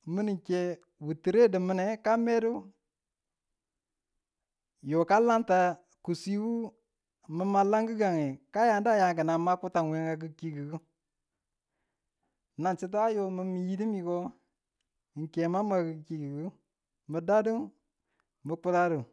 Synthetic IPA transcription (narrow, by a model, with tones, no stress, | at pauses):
mə˦ni˨ŋ˨ke˦ | wu˨ti˨ɾe˦də˨mə˦ne˨ka˦me˦du˦ | jo˨ka˦la˦nta˨ | ku˨si˦wu˦ | mə˨˦ma˦la˦ŋɡə˦ɡa˨ŋe˨ka˦ja˨nda˦ja˨ŋkə˨na˨ma˦ku˦ta˨ŋwe˨ŋɡa˨ɡə˦ki˨˦ɡi˨ɡu˦ | na˨nt͡ʃi˦t̬a˦jo˦mə˦mi˨ji˦di˦mi˨ko˦˨ | ŋ̩˨ke˨ma˦m˦a˨ɡə˨ki˨ɡi˨ɡu˦ | mə˨da˦du˦ | mə˨k͡pu˦ɾa˦du˨